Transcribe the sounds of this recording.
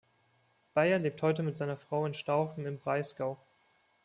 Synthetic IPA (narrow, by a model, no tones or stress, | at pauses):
b̥aɪɐleːp̚thɔʏtəmɪtz̥aɪnɐfʁ̥aʊɪnʃtaʊfm̩ɪnbʁaɪsɡ̥aʊ